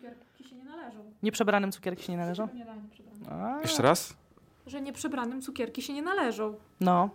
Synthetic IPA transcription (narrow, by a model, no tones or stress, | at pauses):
ɛɾʲiɛɲɛnalɛʐɔwɲɛpʂɛbɾanɘmt̪su̥kʲɛɾkʲi̥ɕɛɲɛnalɛʐɔ̃wɾa̰jɛʂt͡ʂɛɾas | ʐɛɲɛpʂɛbɾanɘmt̪sukʲɛɾkʲiɕɛɲɛnalɛʐɔ̃w | nɔ